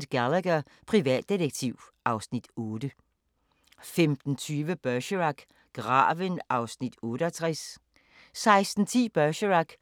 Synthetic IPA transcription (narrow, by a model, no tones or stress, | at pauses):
d̥ɡ̥ælæɡ̥ɐ | pʰʁiʋɛ̰ːd̥ːidəɡ̥̚t͡sʰiʊʔɑ̈ʊsnid̥ɔːd̥ə | femd̥n̩t͡sʰyːʋəb̥œɕəʁɑɡ̥ | ɡ̥ʁɑ̰̈ːʋənʔɑ̈ʊsnid̥ɔːɾəɒt͡sʰʁɛs | sɑ̈ɪsd̥n̩t͡sʰḭːb̥ɶʃəʁɑɡ̥